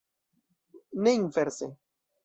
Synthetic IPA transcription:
neinveɾse

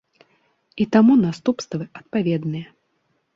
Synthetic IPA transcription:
it̪amunast̪upst̪vɨʔɐt̪̚pavʲɛd̪nɨjɐ

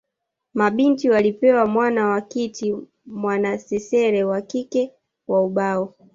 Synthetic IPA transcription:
maɓintiwalipɛwamwanawakiti | mwanasɛsɛɾɛwakikɛ | wauɓaɔ

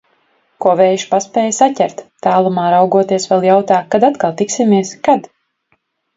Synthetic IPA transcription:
kuɔvɛːjʃpaspɛːjsatʲɛɾt̪t̪ːaːlˠumaːɾawɡuɔt̪iɛsʋɛlˠjawt̪aːkad̪at̪kalˠt̪iksʲimiɛskad̪

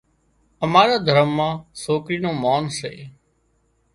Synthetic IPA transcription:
əmaːɾaːd̪ʱəɾəmːãːsoːkɾiːnõːmaːnsḛː

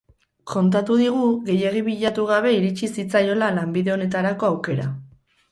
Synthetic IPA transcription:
ko̞nt̪at̪uðiɣ̞uɣe̞jeɣiβiʎat̪uɣ̞aβ̞e̞iɾit͡ʃisit͡sajo̞lalambiðe̞o̞ne̞t̪aɾako̞awke̞ɾa

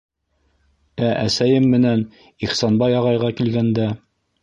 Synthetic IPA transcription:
æʔæsæjɘmːɘ̆næn | iχsɑnbɑjɑʁɑjʁɑkilɡænd̪æ

